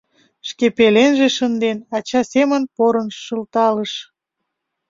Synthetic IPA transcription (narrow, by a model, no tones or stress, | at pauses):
ʃkepelenʒeʃənd̪enɑt͡ɕɑsemənpoɾənʃəlt̪ɑləʃ